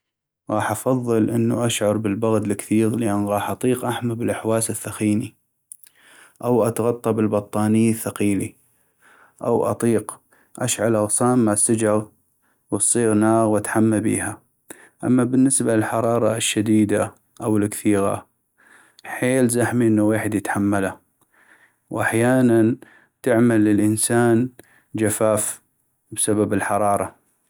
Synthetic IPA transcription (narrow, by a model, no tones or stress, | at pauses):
ɣɑːħʔɑfɑðˤːɨlʔɪnːuʔaʃʕɑɾˤbɪlbaɣd̪lɪkθiːɣlɪʔanːɣɑːħʔɑt̪ˤiːqʔaħmabɪlʔaħwaːsɪθːaxiːni | ʔawʔat̪ɣɑt̪ˤːɑbɪlbɑt̪ˤːɑːniθːaqiːli | ʔa̰wʔɑ̰t̪ˤiːq | ʔaʃʕalʔɑɣsˤaːmːaʕsːad͡ʒɑɣ | wɨsˤːiːɣnaːɣwat̪ħamːabḭːha | ʔa̰mːabɪnːɪsbalɪlħɑɾˤɑːɾˤɑʃːad̪iːd̪a | ʔawɪlkθiːɣa̰ | ħeːlzaħmiʔənːaweːħɪd̪jɪt̪ħamːala | wʔaħjaːnan | t̪ɪʕmalːɪlʔənsaːn | d͡ʒafaːf | bsababɪlħɑɾˤɑːɾˤɑ